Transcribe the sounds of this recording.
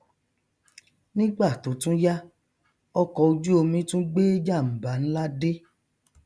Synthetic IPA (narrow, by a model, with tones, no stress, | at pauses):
nĩ˦ɡ͡ba˦˨to˨˦tũ˦ja˦ | ɔ˧kɔ˧o˧d͡ʒu˦o˧mĩ˧˦tũ˦ɡ͡be˦d͡ʒa˦˨m̩˨ba˨˦n̩˦la˦de˦